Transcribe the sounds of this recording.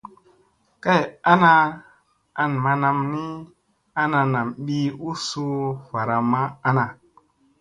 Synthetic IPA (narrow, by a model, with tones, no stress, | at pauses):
ka˦ja˦na˧ | a˨nma˧na˧mni˦ | a˦na˧na˨mɓi˦u˦su˦fa˨ɾa˨ma˦a˦na˨